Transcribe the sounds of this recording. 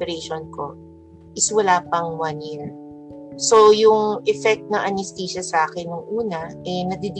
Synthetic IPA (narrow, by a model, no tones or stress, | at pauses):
ɛɾɛjʃonko̞̰ | ʔɪswɐlaːpɐŋwɐnjɪɹ | so̞jʊŋʔɛfɛk̚t̪nɐŋʔɐnɪst̪iːʃɐsʔaːkɛnːʊŋʔuːnɐʔɛnɐd̪id̪ɪ